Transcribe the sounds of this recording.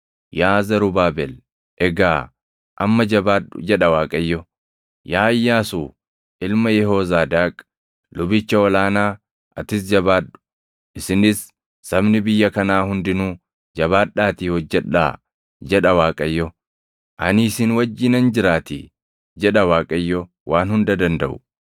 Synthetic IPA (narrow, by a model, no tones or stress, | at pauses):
jaːzɐɾʊbaːbɛl | ʔɛɡaː | ʔɐ̰mːɐd͡ʒɐbaːᶑd͡ʒɛᶑɐwaːkʼɐjːɔ | jaːjːaːsuː | ʔɪlmɐjɛɦoːzaːd̪aːkʼ | lʊbɪt͡ʃːɐɔlaːnaː | ʔɐt̪ɪs̬d͡ʒɐbaːᶑʊ̥ | ʔɪsɪnɪsː | ɐbnɪbɪjːɐkɐnaːhʊnd̪ɪnuː | d͡ʒɐβaːᶑːaːt̪iːhɔd͡ʒːɛᶑa̰ː | d͡ʒɛᶑɐwaːkʼɐjːɔ | ʔɐniːsɪnwɐd͡ʒːɪːnɐnd͡ʒɪɾaːt̪ɪ̰ | d͡ʒɛᶑɐwaːkʼɐjːɔ | waːnhʊnd̪ɐd̪ɐnd̪ɐʔʊ̥